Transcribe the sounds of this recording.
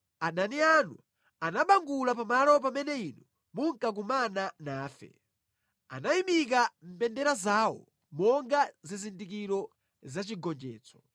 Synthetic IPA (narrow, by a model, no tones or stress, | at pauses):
ananianu | anaɓaŋɡulapamalɔp̬amɛnɛinu | muŋkak̬umananaːfɛ̰ | a̰naimik̬am̩pɛndɛɾazawɔ̰ | mɔŋɡazizindik̬iɾɔ | zat͡ʃiɡɔnd͡ʒɛ̰ːt͡sɔ̥